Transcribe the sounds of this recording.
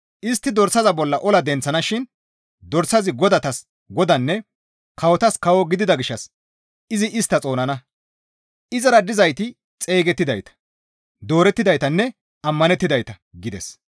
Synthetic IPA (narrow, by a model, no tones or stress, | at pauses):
ʔɪst̪ːɪd̪ɔɾsɐzɐbɔlːɐʔɔlɐd̪ɛnt͡sːɐnɐʃɪn | d̪ɔɾsːɐzɪɡɔd̪ɐt̪ɐs | ɡɔd̪ɐnːɛ | kɐwɔt̪ɐskɐwɔɡɪd̪ɪd̪ɐɡɪʃːɐs | ɪzɪʔɪst̪ːɐt͡sʼo̞ːnɐnɐ | ɪzɐɾɐd̪ɪzɐjt̪ɪ | t͡sʼe̞ːɡɛt̪ːɪd̪ɐjt̪ɐ̥ | d̪o̞ːɾɛt̪ːɪd̪ɐjt̪ɐnːɛ | ɐmːɐnɛt̪ːɪd̪ɐjt̪ɐ | ɡɪd̪ɛ̰s